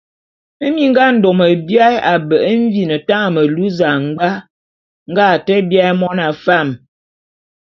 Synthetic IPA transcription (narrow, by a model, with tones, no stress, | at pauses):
ə˦mi˦ŋ̩˦ɡa˦n̩˨do˨mə˨bja˦ja˨bə˨ʔə˦ɱ˦vi˦nə˨ta˦ŋ˨mə˨lu˦za˨ŋ˦ɡ͡ba˦ | ŋ̩˦ɡa˦˨tɛ˦bja˦jmɔ˦na˨fa˦˨m